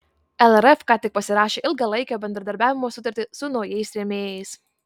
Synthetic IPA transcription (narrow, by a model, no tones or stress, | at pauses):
ɛlˠɛɾɛfkɑːt̪ʲɪk̚pɐsʲɪɾɑːʃʲeːʔɪlˠɡɐlˠɐɪkʲoːbʲɛnd̪ɾɐd̪ɐɾʲbʲæːʋʲɪmoːsʊt̪ɐɾʲt̪ʲɪsʊnɒʊjɛɪsɾʲɛmʲeːjɛɪs